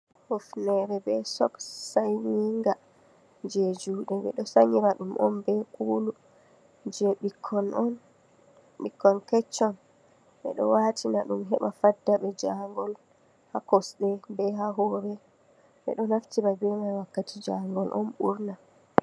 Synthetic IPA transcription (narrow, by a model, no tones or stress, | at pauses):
hofnɛɾɛbɛsɔksajniŋɡa | d͡ʒed͡ʒuːɗɛbɛ̰ɗɔsaɲiɾaɗumʔɔ̰mbɛkuːlu | d͡ʒɛɓikʰːɔnɔn | ɓikːɔnkɛt͡ʃːɔn | ɓɛ̰ɗɔ̰waːtʰinaɗumɦɛmafadːaɓɛd͡ʒaŋɡɔl | hakɔsɗɛbɛɦaɦɔɾɛ | ɓɛ̰ɗɔnaftiɾabɛmawakːatid͡ʒaŋɡɔlʔɔ̰nɓuɾna